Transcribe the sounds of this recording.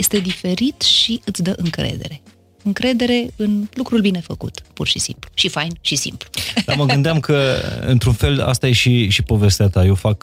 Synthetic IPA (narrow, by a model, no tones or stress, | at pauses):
jest̪e̞d̪ife̞ɾit̪ʃiɨt̪sʲd̪əʔɨŋkɾḛd̪e̞̰ɾe̞ | ɨŋkɾe̞d̪e̞ɾe̞ɨnlukɾulbine̞fəkṵt̪purʃisḭmpluʃifajnʃisḭmplud̪aməɡɨnd̪eamkəɨ̰nt̪ɾunfe̞la̰st̪aje̞ʃiʃipo̞ve̞st̪eat̪aje̞wfak